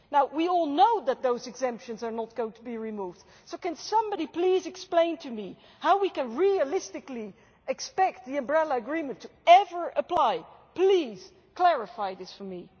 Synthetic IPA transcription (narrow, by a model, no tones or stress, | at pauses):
naʊwiɔlˠnoʊðɨt̪̚ðoʊzɨɡzɛ̃mpʃɨ̃nzə˞nət̚ɡ̥oʊɪ̃ŋtʰəbiɹimuːvd̥ | soʊkɨ̃nsʌ̃mbɑɾipʰl̥izɨksplẽɪ̃ntʰɨmi | haʊwikɨ̃nɹiɨlɪstɨkli | ɨkspɛk̚t̪̚ðiɨ̃mbɹɛlˠəɨɡɹĩmɨ̃ntʰɨɛvə˞ʔəpʰl̥aɪ | pl̥iz̥ | kʰl̥ɛɹɨfaɪðɪsfə˞mi